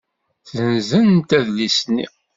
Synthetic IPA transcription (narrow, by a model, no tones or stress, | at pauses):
θzənzənnt̪æðlisnːḭ